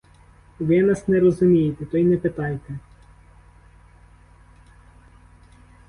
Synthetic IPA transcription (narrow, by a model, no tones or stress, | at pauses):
ʋɪnɑsnɛɾɔzʊmʲijet̪ɛt̪ɔjnɛpɪt̪ɑjt̪ɛ